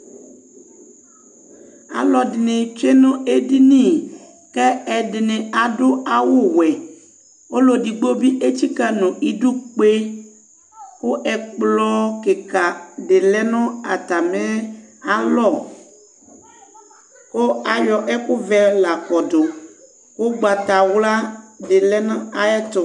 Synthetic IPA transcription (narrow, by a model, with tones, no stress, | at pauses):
a̰˨lɔ˨dɪ˨nɪ˨t͡ʃe˦nʊ̃˦e˦di˦nĩ˦˨ | kɛ˦ɛ˨dɪ˨nɪ˨a˨dʊ˦a˨wʊ˦˨wɛ˨ | o˦lo˨di˨ɡ͡bo˦bi˦ʔe˦t͡ʃi˦ka˦nʊ̃˨i˨dʊ˦k͡pe˦ | kʊ˦ɛ˨k͡plɔ˦ke˨ka˨ɖe˨lɛ˦nɔ̃˦a˨t̪a˨mẽ˦a˦lɔ˦˨ | ko˦a˨jɔ˨ʔɛ˦kʊ˦vɛ˦la˨kɔ˨do˨ | ko˦ɡ͡ba˨t̪a˨wla˦de˨lɛ˦nɔ̃˦a˨ɛ˦t̪o˨